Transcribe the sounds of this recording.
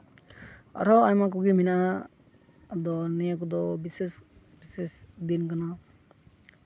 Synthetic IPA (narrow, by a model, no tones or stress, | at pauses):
a̰ɾɔajmak̬uɡimina | d̪ɔnɛjakud̪ɔbisesbisesd̪inkana